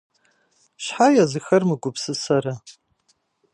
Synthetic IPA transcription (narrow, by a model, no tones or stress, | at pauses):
ʃħajazɨxɐrmɨɡʷʊpʰsɨsaɾa